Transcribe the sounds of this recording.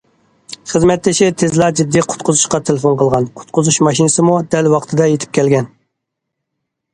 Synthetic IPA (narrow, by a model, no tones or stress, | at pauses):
χəzmɛt̪lːɪʃɪt̪ʰezlˠɑɾd͡ʒid̪ːiqʰʊ̥t̪̚qʰʊzuʃqɑt̪ʰelɪfonqʰəlˠʁɑnqʰʊ̥t̪̚qʰʊzuʃmɑʃinɨsɨmud̪ɛlwɑqt̪ʰɨd̪ɑjet̪ʰɪ̥p̚kʲʰɛlɡʲɛn